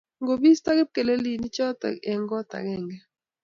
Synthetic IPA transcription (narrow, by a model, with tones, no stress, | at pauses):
ŋɡo˨bi˦st̪a˦ɡɛ˦p̚ke˨le˦li˦ni˦t͡ʃɔ˦ta̰˨ɛ˨ŋɡɔ˦t̪a̰˨ɡɛ˦˨ŋɡɛ˦